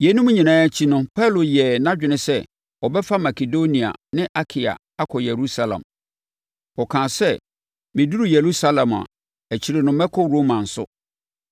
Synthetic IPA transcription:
jɛ˨˦nũ˦m̃˦ɲĩ˨nãː˦æ˦t͡ɕʰi˦nʊ̃˦pʰa˦˨lo˨jɛ˨nã˦d͡ʑᶣɪ˨nɪ̃˦sɛ˦ | ɔ˨bɛ˦fa˦ma˨kʰe˨do˦nĩ˨a̰˨nɪ̃˦ʔa˦kʰɪ˨a̰˨ | a˦kʰɔ˨jɛ˨ɾu˦sa˦lã̰˨m | ɔ˨kʰãː˨sɛ˦ | mɪ̃˨du˦ɾu˨je˨ɾu˦sa˦lɛ̃˨ma̰˨ | æ˨t͡ɕʰi˨ɾɪ˨nʊ̃˨mɛ˦kʰɔ˦ɾo˦mã˨n̩˨sʊ̰˦

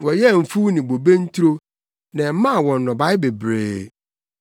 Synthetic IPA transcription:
wɔ˨jɛ˦˨m̩˨fu˦nɪ̃˨bo˨be˦n̩˦t̪ʰu˦ɾo˦ | nã˨˦mã˦˨wɔ̃˨nː˨ɔ̃˨ba˦ɪ˦be˨bɾḛː˨

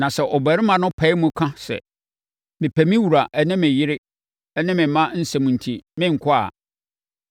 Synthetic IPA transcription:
nã˨sɛ˨ʔɔ˨bæ˨ɾɪ˦mã˨nʊ̃˦pʰɛ˨˦ɪ˦mũ˦kʰã˦sɛ̰˨ | mɪ̃˨pʰæ˨mĩ˦wu˨ɾa˨ʔɛ˦nɪ̃˦mɪ̃˨jɪ˦ɾɪ˦ | ɛ˦nɪ̃˦mɪ̃˨˦mã˦n̩˦sɛ˨mũ˨n̩˨tʰi˨mɪ̃˦ŋ̩˨kʰʊ˦a̰˨

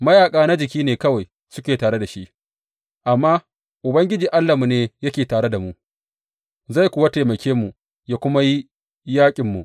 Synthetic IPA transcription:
mɐ˦jaː˨kʼaː˦na˦d͡ʒɪ˨kʲiː˦neː˨kɐ˦wa˨j | sʊ˦kʲeː˨taː˨ɽe˦da˨ʃi˦ʔ | ʔa˨mːaː˦ | ʔʊ˨bɐ˦ŋɡʲɪ˦d͡ʒiː˨ʔa˦lːa˨mu˨neː˦jɐ˦kʲeː˨taː˨ɽe˦da˨mu˦ | za˦˨jkʷuː˨wa˦ta˨mɐ˨kʲʰeː˦mu˨ | jaː˦kʷʊ˦ma˦ji˦ | jaː˦kʲʼɪ˨mːṵ˨

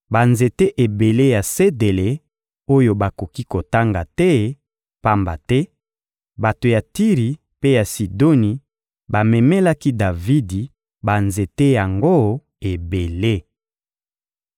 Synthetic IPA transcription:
ba˨nze˨te˦ʔe˨be˨le˦ja˨se˦de˨le˨ | o˦jo˨ba˨ko˨ki˦ko˨ta˦ŋɡa˨tɛ˦ | pa˦mba̰˨tɛ˦ | ba˨to˨ja˨ti˦ʁi˨ | pe˦ja˨si˨do˦ni˨ | ba˨mɛ˨mɛ˦la˦ki˦da˨vi˦di˨ | ba˨nze˨te˦ja˨ŋɡo˦ | e˨be˨le˦

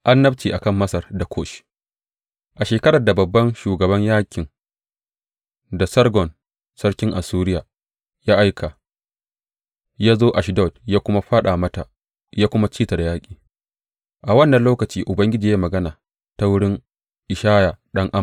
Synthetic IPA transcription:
ʔa˦nːɐ˦ɸt͡ʃiː˨ʔa˨kɐ˦˨mːɐ˦sɐ˨rda˨kʰoː˦˨ʃ | ʔa˨ʃeː˨kɐ˦ɽɐ˨da˨bɐ˨bːɐ˦nʃuː˨ɡɐ˨bɐ˦ɲjaː˦kʲɪ˨ŋ | da˨sɐ˦rɡɔ˨n | sɐ˦ɽkʲɪ˦ŋʔa˨suː˦ɾɪ˦jaː˨ | jaː˦ʔa˦jkʰa˨ | jaː˦zoː˦ʔa˨ʃdɔ˦˨djaː˦kʷʊ˦ma˦ɸaː˦ɗa˨mɐ˦ta˨ | jaː˦kʷʊ˦ma˦t͡ʃiː˦ta˨da˨jaː˦kʲʼi̥ː˨ | ʔa˨wɐ˦nːɐ˨nloː˦kɐ˨t͡ʃiː˦ʔʊ˨bɐ˦ŋɡʲɪ˦d͡ʒiː˨jaː˦mɐ˨ɡɐ˦naː˨ | ta˦wʊ˦ɽɪ˦ŋ | ʔɪ˨ʃaː˦jaː˨ɗɐ˦ŋʔa˦m˨

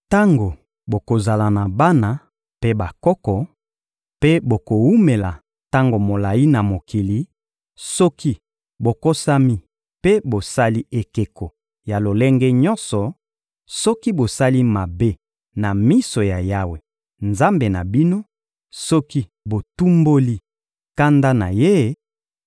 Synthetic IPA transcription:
ta˦ŋɡo˨ | bo˨ko˨za˨la˨na˨ba˦na˨ | pe˦ba˨kɔ˦kɔ˨ | pe˦bo˨ko˨wu˦me˨la˨ | ta˦ŋɡo˨mo˨la˨ji˦na˨mo˨ki˨li˨ | sɔ˦ki˦ | bo˨ko˦sa˦mi˦ | pe˦bo˨sa˦li˦e˨ke˨ko˨ | ja˨lo˨le˦ŋɡɛ˦ɲɔ˦nsɔ˨ | sɔ˦ki˦bo˨sa˦li˦ma˨be˦ | na˨mi˦so˨ja˨ja˦we˨ | nza˦mbe˨na˨bi˦no˦ | sɔ˦ki˦ | bo˨tu˦mbo˦li˦ | ka˦nda˦na˨je˦

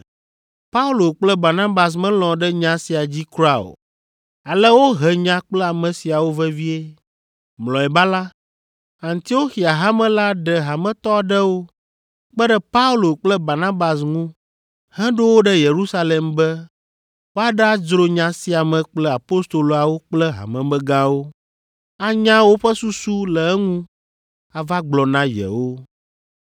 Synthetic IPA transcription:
pa˦u˦lo˨k͡plɛ˦ba˨nã˦ba˨s̬mɛ̃˦lɔ̃˨ɖɛ˦ɲã˨si˨a˨d͡ʑi˦kɾa˦˨o̰˨ | a˨lɛ˦wo˦ɦɛ˨ɲã˦k͡plɛ˦a˨mɛ̃˨si˨a˨wo˦vɛ˦vi˦e˦ | mlɔ̃˨ɛ˨ba˦la˦ | ã˨nt̪i˨˦o˦xi˨a˨ɦa˦mɛ̃˦la˦ɖɛ˨ɦa˨mɛ̃˨t̪ɔ˦a˨ɖɛ˦wo˦ | k͡pɛ˦ɖɛ˦pa˦u˦lo˨k͡plɛ˦ba˨nã˦ba˨s̬ŋũ˦ | hɛ̃˦ɖo˦wo˦ɖɛ˦je˨ɾu˦sa˦le˨mbɛ˦ | wo˦a˦ɖɛ˦a˦d͡ʒɾo˦ɲã˨si˨˦a˨mɛ̃˨k͡plɛ˦a˨po˦st̪o˨lo˨a˨wo˦k͡plɛ˦ɦa̰˨mɛ̃˨mɛ̃˦ɡã˦wo˦ | a˨ɲã˦wo˦ɸɛ˦su˦su˦lɛ˨ɛ˦ŋũ˦ | a˨va˦ɡ͡blɔ˨nã˦jɛ̰˨wo˦

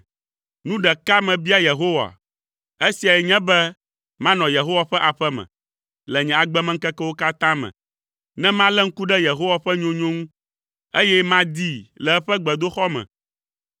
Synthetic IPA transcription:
nũ˦ɖɛ˨ka˦mɛ̃˨bi˦a˦je˨ɦo˦wa̰˨ | e˦si˨a˨jɛ˨ɲɛ̃˦bɛ˦ | mã˦nɔ̃˨je˨ɦo˦wa˨ɸɛ˦ʔa˨ɸɛ˦mɛ̰̃˨ | lɛ˨ɲɛ̃˨a˨ɡ͡bɛ˦mɛ̃˦ŋ̩˦kɛ˦kɛ˦wo˦ka˦t̪ã˦mɛ̰̃˨ | nɛ̃˦mã˦lɛ˦ŋ̩˦ku˦ɖɛ˦je˨ɦo˦wa˨ɸɛ˦ɲõ˦ɲõ˦ŋũ˦ | e˦jɛ˦mã˦d̪i˦lɛ˨ɛ˦ɸɛ˦ɡ͡bɛ˨d̪o˦xɔ˦mɛ̰̃˨

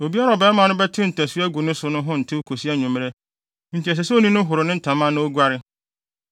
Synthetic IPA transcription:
o˨bi˦a˦ɾa˨ɔ˨bɛ˨˦mã˨nʊ̃˦bɛ˦tʰɪ̃˦n̩˨tʰɛ˨su˦æ˦ɡu˨nʊ̃˦sʊ˨˦nʊ̃˦ɦʊ̃˦n̩˨tʰɪ˦kʰo˨si˦a˦ɲũ˨m˦ɾe˦ | n̩˦tʰi˨ɛ˨s̬ɛ˨sɛ˦o˦nĩ˦nʊ̃˦ɦʊ˨ɾʊ˨nɪ̃˦n̩˨tʰã˨mã˦nʊ̃˦o˦ɡʷa˦ɾɪ˦

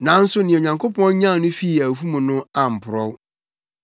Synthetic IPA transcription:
nã˨˦n̩˦sʊ˦nɪ̃˨ɲã˨ŋkʰo˦pʰɔ̃˦ɲã˦˨˦nʊ̃˦fi˦˨æ˨fu˦mũ˨nʊ̃˦a˨m̩˨pʰʊ˨ɾɔ˦w

